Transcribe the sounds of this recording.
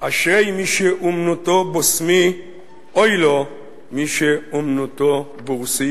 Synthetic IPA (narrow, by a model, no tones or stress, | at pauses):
ʔaʃʁejmiʃeʔumnut̪obosmi | ojlo | miʃeumnut̪o | beʁusi